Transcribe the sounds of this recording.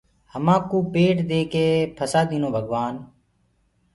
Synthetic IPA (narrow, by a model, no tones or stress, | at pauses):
həmãːkuːpeːʈd̪eːkeːpʰəsaːd̪iːnõːbʱəɠʋaːn